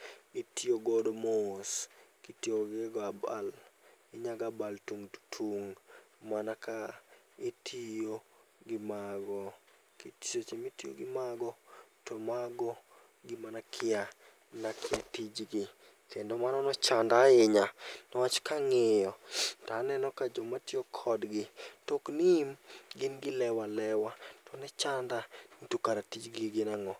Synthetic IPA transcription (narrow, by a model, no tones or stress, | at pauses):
itioɡodmoskitjoɡɪɡaba̰lɪɲaɡabaltuŋtʰuŋ | manaka | etʰijoɡɪmaɡɔ | kiti̥t͡ʃot͡ʃimitio̰ɡɪmaɡɔtɔmaɡɔ | ɡɪmanakʰɪa | nakɪatid͡ʒɡɪ | kendɔmanɔnɔt͡ʃandaɪɲanɔwat͡ʃkaŋɪjɔtanɛnɔkad͡ʒɔmatiokʰɔdɡɪtoknimɡɪnɡɪlɛwalɛwatɔnɛt͡ʃandanitukaɾatid͡ʒɡɪɡɪnaŋɔ